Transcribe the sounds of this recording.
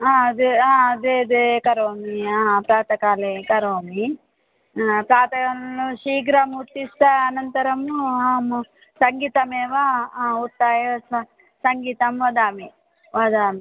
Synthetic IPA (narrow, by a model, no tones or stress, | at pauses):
aːɐd̪eaːɐd̪eːd̪ekɐɾoːmiaːpɾaːt̪ɐkaːlekɐɾoːmi | pɾaːt̪ɐkɐnluʃiːɡɾɐmut̪ːist̪aːnɐnt̪ɐɾɐmaːmu | sɐŋɡiːt̪ɐmɛːʋaut̪ːaːjɐɐ | sɐŋɡiːt̪ɐmʋɐd̪aːmi | ʋɐd̪aːmi